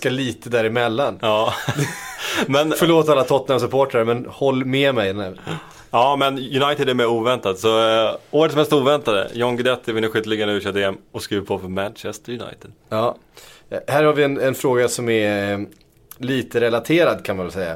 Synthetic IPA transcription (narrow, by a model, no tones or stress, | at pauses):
skaɭiːt̪əd̪æːɾɪmɛlːanɑː | mɛnfœɭoːt̪alːat̪ʰɔt̪namsɵpʰoːʈɾaɾəmɛnhɔlːmɛmɛjɛnɛ | ɑːmɛnjɵnajt̪ɪd̪æɾmɛɾuːvɛnt̪at̪sɔoːɾət̪sɔmhɛlst̪uːvɛnt̪ad̪ə̰jɔŋɡɪd̪ɛt̪ːɪvɪnəɧʏt̪ːlɪɡanəʉːʂœt̪d̪eɛmɔskɾiːvəɾpʰɔfɔmænt͡ʃɛst̪əɾjɵna̰jt̪ɪd̪̥ | ɑː | hæːɾhaɾvɪɛnɛnfɾoːɡasɔmɛɾ | liːt̪əɾɛlat̪ʰeːɾad̪kʰanmanvɛlsɛjːa̰